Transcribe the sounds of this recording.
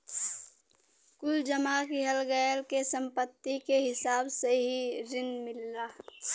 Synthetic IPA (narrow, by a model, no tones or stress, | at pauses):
kʊld͡ʒəmakiɦəlɡəjlkesə̃mpət̪ːikeɦɪsaːbseɦiɾɪnmɪlːaː